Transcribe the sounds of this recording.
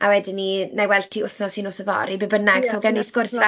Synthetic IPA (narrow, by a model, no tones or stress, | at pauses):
awɛdɪninejwɛltʰiʊθnɔsinoːsəvɔ̰ɾibɪbənaɡ̥saɡɛniskʊrsa